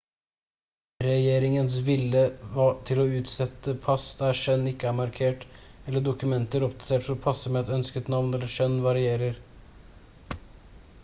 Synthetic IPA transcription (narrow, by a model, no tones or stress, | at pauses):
ɾɛjeːɾɪŋənsʋɪlːəʋɑt̪ʰɪlɔʉːt̪sɛt̪ːəpʰɑsd̪æʂœnːɪkːəæmɑɾkʰeːʈɛlːəɖʊkʉmɛnt̪əɾɔpd̪ɑt̪ʰeːʈfɔɾɔpʰɑsːəmɛɛt̪œnskət̪nɑʋnɛlːəʂœnːʋɑɾɪeːɾəɾ